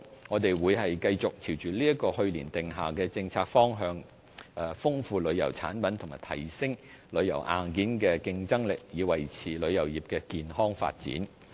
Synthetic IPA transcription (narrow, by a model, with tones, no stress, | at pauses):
ŋɔː˨˧t̪e˨jwuː˨˧jhɐ˨jkɐ˧jt͡sʊ˨k̚t͡sʰiː˨˩wt͡ʃyː˨˩liː˥ɐ˥t̚kɔː˧hɵ˧ɥliː˨˩nt̪ɪ˨ŋɦaː˨˩kɛː˧t͡sɪ˧ŋt͡sʰaː˧k̚fɔː˥ŋɦœː˧ŋ | ʔfʊ˥ŋfuː˧lɵ˨˧ɥjɐ˨˩wt͡sʰa̰ː˨˥npɐ˨˥nt̪ʰʊ˨˩ŋmaː˨˩t̪ʰɐ˨˩jsɪ˥ŋ | lɵ˨˧ɥjɐ̰˨˩wʔa̰ː˨nkiː˨˥nkɛː˧kɪ˧ŋt͡sɐ˥ŋlɪ˨k̚jiː˨˧wɐ˨˩jt͡sʰiː˨˩lɵ˨˧ɥjɐ˨˩wjiː˨˩p̚kɛː˧kiː˨nhɔː˥ŋfa̰ː˧t̚t͡sḭː˨˥n